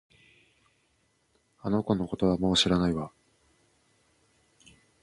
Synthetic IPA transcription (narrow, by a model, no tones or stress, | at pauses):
ano̞ko̞no̞ko̞t̪o̞βamo̞ːɕiɾanaiβa